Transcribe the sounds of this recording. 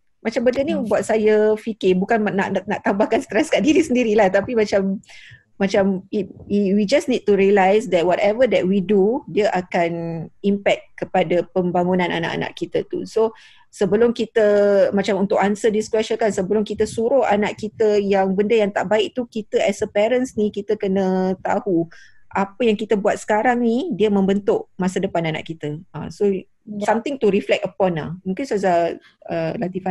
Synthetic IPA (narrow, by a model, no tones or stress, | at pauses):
mãt͡ʃambəndənibuat̪̚sajəfikɪbukannaʔnaʔt̪ambahkanst̪ɾɛskaʔdiɾisəndiɾilaht̪apimãt͡ʃamː | ãt͡ʃamiwiwid͡ʒasnid̚t̪uɾiəlajsd̪ɛt̚wɔtɛvədɛt̚widudiəʔakanimpɛk̚kəpadapəmbaŋunãna̰na̰ʔa̰na̰ʔkit̪ət̪ṵso | səbəlʊmkit̪əmãt͡ʃamunt̪ʊʔansədiskɾɛʃəkansəbəlʊmkit̪əsuɾʊha̰naʔkit̪əjaŋbəndəjaŋt̪aʔbaɪʔ̚t̪ukit̪əʔɛsəpɛɾənsnikit̪əkənə̃t̪ahuʔapəjaŋkit̪əbuat̪̚sə̥kaɾaŋnidiəmə̃mbənt̪ʊʔmasədəpanana̰ʔkit̪əə̰so | samt̪ɪŋt̪uɾiflɛk̚əpɔna̰hmuŋkɪnsaza | əlat̪ifa